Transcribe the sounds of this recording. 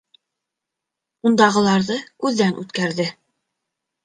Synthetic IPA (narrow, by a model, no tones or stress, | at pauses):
und̪ɑʁɤ̆lˠɑɾðɤkʉðːænʔʉ̰t̪kæɾðɘ